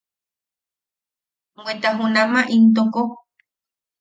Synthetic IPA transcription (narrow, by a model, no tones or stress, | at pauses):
ŋwwet̪aɦũnãmãʔint̪̬oko